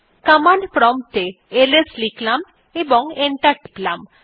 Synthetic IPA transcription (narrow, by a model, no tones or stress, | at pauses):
kamanpɾɔmʈe | elesliklam | ebɔŋeɳʈaɾʈiklam